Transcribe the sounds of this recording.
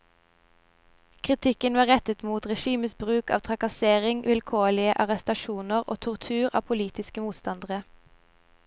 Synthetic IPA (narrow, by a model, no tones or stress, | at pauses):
kʰʁɪt̪ʰɪkənʋɑːʁɛt̪ət̪muːt̪ʁɛʃiːməsbʁʉːkɑ̰ːʋt̪ʰʁɑkɑseːʁɪŋʋɪlkʰoːlɪəʔɑʁɛst̪ɑʃuːnəʁo̰ːt̪ʰɔʁt̪ʰʉːʁɑ̰ːpʰʊliːt̪ɪskəmuːt̪st̪ɑnd̪əʁə